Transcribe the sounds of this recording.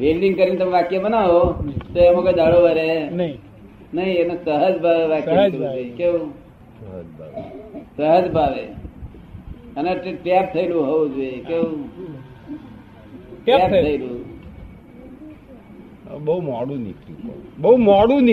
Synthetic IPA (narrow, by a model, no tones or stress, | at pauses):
ʋelɖiŋɡkəɾint̪əmẽʋakjebənaʋot̪omoked̪aɭoʋəɾenəɦi | nəɦĩenosəɦəd͡ʒbʱaʋeʋakəd͡ʒoekeũ | səɦəd͡ʒbʱa̰səɦəd͡ʒbʱaʋḛ | əneʈʈap̚t̪ʰəilũɦoũd͡ʒoekeũ | ʈap̪ʰəilũ | bəumɔɽũnikṵpə̰bəumɔɽũn